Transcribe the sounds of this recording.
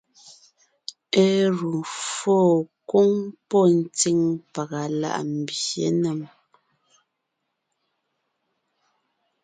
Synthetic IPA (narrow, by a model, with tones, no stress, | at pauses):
e˦ɾu˨foː˦˨ko˦ŋpɔ˦˨n̩˨ti˦ŋpa˨ɣa˨la̰˦ʔm̩˨bjjḛ˨˦nə˨m